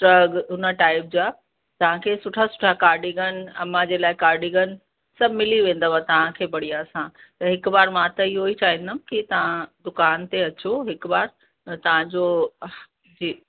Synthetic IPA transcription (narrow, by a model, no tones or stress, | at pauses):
ʈɾɐɡɦʊnəʈaːɪp̚d͡ʑaː | t̪ɐʋ̤ãkʰeːsʊʈʰasʊ̥ʈʰakaːɾɖiɡənɐ̰mãd͡ʑeːlaːɪkaːɾɖiɡən | sɐbmɪliʋẽːn̆d̪əʋat̪ɐʋ̤ãkʰeːbɐɽ̤iaːsãt̪ɐɦɪkbaːɾmãt̪ɐɪɦoit͡ɕaːɦĩnd̪əmkɪt̪ɐʋ̤ãd̪ʊkaːnt̪eɐt͡ɕoɦɪk̆baːɾ | t̪ɐʋ̤ãd͡ʑo | d͡ʑiː